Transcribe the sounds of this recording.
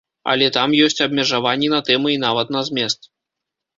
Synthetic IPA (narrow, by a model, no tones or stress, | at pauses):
ɐ̰lʲɛt̪amjɔsʲt͡sʲɐbmʲɛʐavanʲːinɐt̪ɛmɨinavɐt̪nɐzʲmʲɛst̪